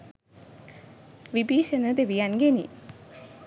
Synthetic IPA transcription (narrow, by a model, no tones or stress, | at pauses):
ʋibiːʃənəd̪eʋijanɡenḭ